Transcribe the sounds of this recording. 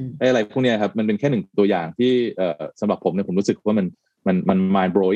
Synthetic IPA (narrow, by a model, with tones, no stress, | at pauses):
ʔa˧˥ʔa˧ɾa˧jpʰu˥˩ŋni˦˥˨p̚ma˧np̬e˧nkʰɛː˥˩nɯ˨˩t̪u˧ɐjaː˨˩ŋt̪ʰiː˥˩ʔəː˨˩sa˦mɾa˨˩pʰo˩˦mni˥˩ɐpo˩˦ɾuː˦˥sɯ˨˩k̚waː˥˩ma˧n | ma˧nma˧nmaː˧nboː˧